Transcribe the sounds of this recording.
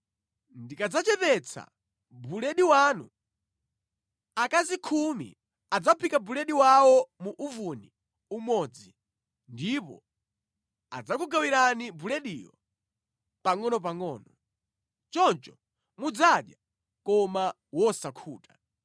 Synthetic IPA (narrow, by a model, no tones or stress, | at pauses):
ndikad͡zat͡ʃɛpɛt͡sʰa̰ | bulɛɗiwaːnṵ | akazikʰumḭ | ad͡zapʰikabulɛɗiwawɔmuʔuvuni | umɔd͡zi | ndipɔ̰ | a̰d͡zakuɡawiɾanibulɛɗiːjɔ̰ | paŋɔnɔp̬aŋɔːnɔ | t͡ʃɔnt͡ʃɔ | mud͡zaɗja | kɔma | wɔsakʰuːta